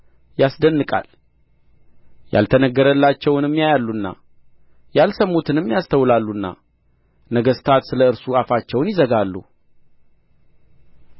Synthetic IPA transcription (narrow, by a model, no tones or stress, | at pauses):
jasd̪ənːɨkʼa̰l | ja̰lt̪ʰənəɡːəɾəlːat͡ʃːɛwnɨmːjajalːunːa̰ | jalsəmːut̪ʰɨnɨmːjast̪ʰəwlalːunːa̰ | nəɡəst̪ʰat̪sɨləɨɾsuafat͡ʃːɛwnjɪzəɡalːṵ